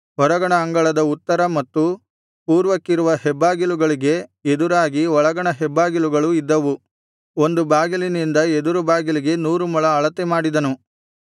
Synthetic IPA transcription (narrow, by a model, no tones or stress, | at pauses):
ɔlɐɡɐɳɐːŋɡɐɭɐd̪ɐut̪ːɐɾɐmɐt̪ːu | puːɾʋɐkːiɾuʋɐhɛbːaːɡiluɡɐɭiɡe̞ed̪uɾaːɡiɔɭɐɡɐɳɐɦɛbːaːɡiluɡɐɭuid̪ːɐʋu | o̞nd̪ubaːɡilinind̪ɐed̪uɾubaːɡiliɡe̞nuːɾumɐɭɐːɭɐt̪ɛmaːɽid̪ɐnu